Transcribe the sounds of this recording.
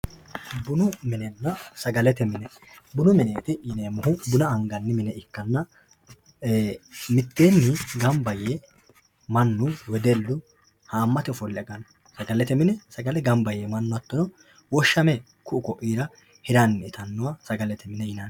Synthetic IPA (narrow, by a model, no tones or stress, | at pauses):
bʊnʊmɪnɛnːɐsɐɡɐlɛt̪ɛmɪnɛ | bʊnʊmɪneːt̪ɪɪneːmʊhʊbʊnɐɐŋɡɐnːɪmɪnɛʔɪkːɐnːɐ | mɪt̪ːeːnːɪɡɐmbɐje | mɐnːʊwɛd̪ɛlːʊ | haːmːɐt̪ɛfɔlːɪɐɡɐn | sɐɡɐlɛt̪ɛmɪnɛsɐɡɐlɛɡɐmbɐjemɐnːʊɐt̪ːɔnɔ | wɔʃːɐmɛ | kʊʔʊkɔʔiːɾɐ | hɪɾɐnːt̪ɐnːʊwɐsɐɡɐlɛt̪ɛmɪnɛɪnɐn